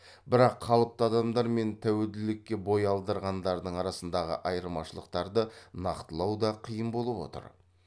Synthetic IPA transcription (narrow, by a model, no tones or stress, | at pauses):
bɪɾɑqχʰɑlˠəp̚t̪əɑd̪ɑmd̪ɑɾme̞nt̪ʰæwe̞ld̪ɪlɪkʲːe̞bo̞jɑlˠd̪əɾʁɑnd̪ɑɾd̪əɴɑɾɑsənd̪ɑʁə̰ʔɑjəɾmɑʃəlˠəq̚t̪ɑɾd̪ənɑqt̪əlˠɑwd̪ɑqʰijəmbo̞lˠəpwo̞̰t̪ə̰ɾ